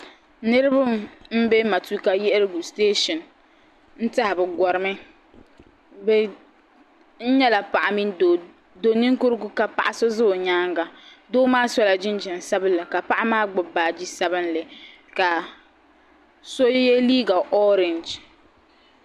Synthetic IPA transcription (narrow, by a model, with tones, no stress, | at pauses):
nɨ˦ɾɨ˦bʊ˦mm̩˦be˦ma˨tu˦ka˦jɛ˦ʔɪ˦ɾɨ˦ɡu˨steː˦ʃɔ˨n | n̩˦ta˦hɪ˨bɨ˨ɡɔ˨ɾɨ˨mɨ˦ | bɛ˨ | n̩˦ɲɛ˦la˨pa˨ʔa˨mi˦n˨ | do˨ni˦ŋkʊ˦ɾɨ˦ɡʊ˦ka˨pa̰˨ʔa˨so˦zɨ˦˨ɲaː˦ŋɡa˨ | doː˦maː˦sɔ˦la˨d͡ʒɪ˦n˦d͡ʒɪ˨n˨sa˦bɨ˦nlɨ˨ka˨pa˦ʔa˦maː˦ɡ͡bʊ˨baː˨d͡ʒi˦sa˦bɨ˦nlɨ˨ | ka˨ | so˦jɛ˦liː˦ɡa˨ʔɔ˦ɾe˨nd͡ʒ